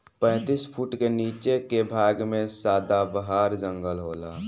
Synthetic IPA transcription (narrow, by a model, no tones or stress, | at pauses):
pə̃ːt̪ispʰuʈkeniːt͡ʃekebʱaːɡmẽsaːd̪abəɦaːɾd͡ʒə̃ŋɡəlɦoːlaː